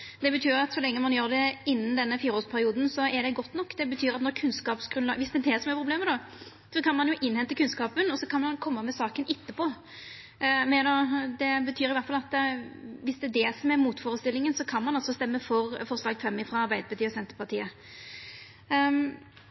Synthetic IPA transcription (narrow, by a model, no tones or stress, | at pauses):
d̪̥ɛbət̪ʰyːɾɑt̪sɔlɛŋːəmɑnjøːɾd̪ɛɪnːənd̪ɛnːəfiːɾoːspʰæɾɪuːd̪n̩sɔɛɾd̪ɛɡɔt̪ːnɔkːd̪ɛbət̪ʰyːɾɑt̪nɔɾkʰʉnskɑːpsɡ̥ɾʉnlɑːɡʋɪsd̪ɛd̪ɛsɔmæɾpʰɾʊbleːmːəd̪ɔ | sɔkʰɑnmɑnjʊʔɪnhɛnt̪əkʉnskɑːpənɔsɔkʰɑnmɑnkʰɔmːəmɛsɑːkənʔɪt̪ːəpʰɔ | mɛnɔd̪ɛbət̪ʰyːɾɪʋæɾt̪fɑlɑt̪ː | ʋɪsd̪ɛːd̪ɛsɔmɛɾmuːt̪foːɾəst̪ɪlːɪŋənsɔkʰɑnmɑnɑlsɔst̪ɛmːəfɔɾfɔɾslɑːɡəfɛmːɪfɾɑɑɾbæɪd̪əɾbət̪ʰyːəsɛnt̪əpʰɑʁt̪ʰiːə